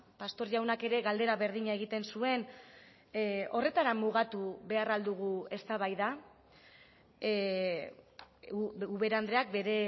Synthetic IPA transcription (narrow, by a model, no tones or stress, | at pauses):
past̪o̞ɾʝawnake̞ɾe̞ɣald̪e̞ɾaβe̞ɾðiɲaeɣit̪e̞nsue̞n | o̞re̞t̪aɾamːuɣ̞at̪uβe̞arald̪uɣ̞ue̞st̪aβajða | uβe̞ɾand̪ɾe̞ak̚be̞ɾe̞